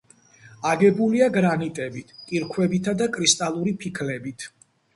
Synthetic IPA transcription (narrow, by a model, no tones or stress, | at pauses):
aɡɛbuliaɡɾanit̪ʼɛbit̪ʰkʼiɾkʰwɛbit̪ʰad̪akʼɾist̪ʼalˠuɾipʰikʰlɛbit̪ʰ